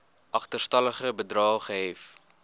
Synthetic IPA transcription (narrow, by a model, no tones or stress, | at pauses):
ʔɐχtərstɐləχəbədrɑːχəɦɛf